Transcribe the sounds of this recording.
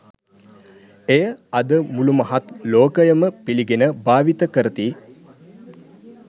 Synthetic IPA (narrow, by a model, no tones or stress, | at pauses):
ejəɐd̪əmulumɐɦat̪loːkəjəməpiliɡenəbaːʋit̪əkəɾət̪i